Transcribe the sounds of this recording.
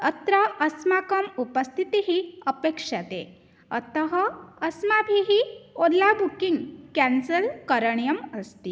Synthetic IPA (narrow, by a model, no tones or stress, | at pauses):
ət̪ɾəʔɐsmakəmupəst̪ʰit̪iɦiəpekʂat̪ḛ | ə̰t̪əɦəːsmabʱiɦiod̪labʱukiŋɡkænsəlkəɾəɳ̃jəməst̪i